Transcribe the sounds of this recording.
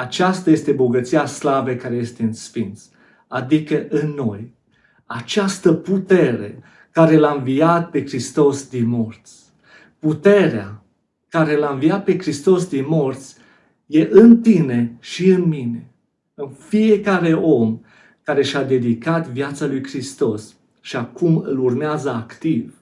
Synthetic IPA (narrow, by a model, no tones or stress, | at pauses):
at͡ʃast̪aje̞st̪e̞bo̞ɡət̪siaslavekaɾe̞je̞st̪e̞ɨnsfint̪s | ad̪ikəʔɨnːo̞j | at͡ʃast̪əput̪e̞ɾe̞̰ | kaɾe̞laɨɱvijat̪̚pe̞kɾist̪o̞sd̪inmo̞rt̪sʲ | put̪e̞ɾea | kaɾe̞laɨnvijat̪̚pe̞kɾist̪o̞sd̪inmo̞rt̪sʲ | je̞ʔɨnt̪ine̞ʃiɨnmine̞ | unfije̞kaɾe̞ʔo̞m | kaɾe̞ʃad̪e̞d̪ikat̪vijat̪salujkɾist̪o̞s | ʃiakumɨlurmeazəakt̪iv